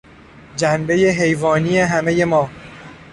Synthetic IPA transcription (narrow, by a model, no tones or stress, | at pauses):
d͡ʒænbe̞jeɦe̞jvɒːnijeɦæme̞je̞mɒː